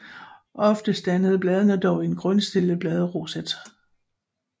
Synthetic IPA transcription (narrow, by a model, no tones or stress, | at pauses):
ʔɒ̽fd̥əsd̥ænəð̞ˠb̥lɛð̞ˠənəd̥ɒʊe̝nɡ̥ʁɔnsd̥e̝ləb̥lɛð̞ˠəʁo̝sed̥